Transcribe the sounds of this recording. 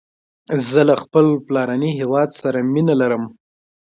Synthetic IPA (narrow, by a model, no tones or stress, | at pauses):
zəlaxpəlplɑɾaniɦewɑd̪saɾaminalaɾəm